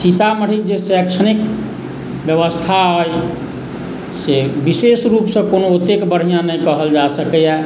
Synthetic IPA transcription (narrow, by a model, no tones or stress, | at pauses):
sit̪aməɽ̤ikd͡ʒesɛkt͡ʃʰənik | bjəʋəst̪ʰaɦəj | sebisesɾupsə̃konoot̪ːekbəɾɦijãnəjkəɦəld͡ʒasəkɛjɛ